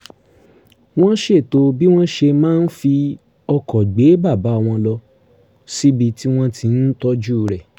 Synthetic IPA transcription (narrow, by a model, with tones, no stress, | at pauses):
w̃ɔ̃˦ʃe˦˨to˧bi˦w̃ɔ̃˦ʃe˧mãː˦˧n̩˦fi˧ | ɔ˧kɔ˨ɡ͡be˨˦ba˦˨ba˨˦ɔ˧w̃ɔ̃˧lɔ˧ | si˦bi˧ti˦w̃ɔ̃˦tʰi˧n̩˦tɔ˦d͡ʒu˦˨ɾɛ˨